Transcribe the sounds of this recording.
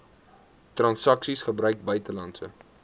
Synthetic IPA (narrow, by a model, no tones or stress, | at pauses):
trɐnsɐksisχəbrœɥk̚bœɥtəlɐnsə